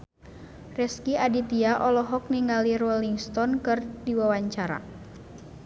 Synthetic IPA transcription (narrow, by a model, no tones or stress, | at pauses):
rɛskiadit̪iaʔɔlɔɦɔk̚niŋaliɾɔliŋst̪ɔnkɨrdiwawaɲt͡ʃaɾa̰